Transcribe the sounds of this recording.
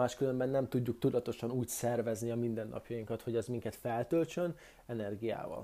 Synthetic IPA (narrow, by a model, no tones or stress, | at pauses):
aːʃkylø̞mbɛnːɛmt̪uɟːuk̚t̪ud̪ɒt̪o̞ʃɒnuːcsɛrvɛzniɒmind̪ɛnːʔɒ̰pjɒjiŋkɒt̪ho̞ɟɛzmiŋkɛt̪fɛlt̪ølt͡ʃø̞n | ɛnɛrɡija̰ːvɒ̰l